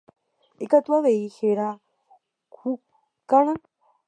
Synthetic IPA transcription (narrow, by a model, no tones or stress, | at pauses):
ikʼat̪ʼwaβejiheɾa | kʰu | kʼana